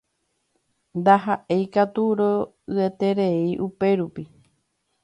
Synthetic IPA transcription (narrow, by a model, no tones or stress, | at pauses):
nd̪aɦaʔe̞jkat̪uɾo | ɨet̪e̞ɾe̞iʔupe̞ɾupi